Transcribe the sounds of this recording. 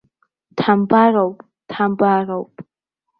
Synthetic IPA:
tʰambarawpʼ | tʰambarawpʼ

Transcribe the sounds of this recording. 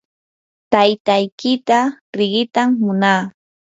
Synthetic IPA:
t̪ajt̪ajkɪt̪aɾɪɢɪt̪amːʊnaː

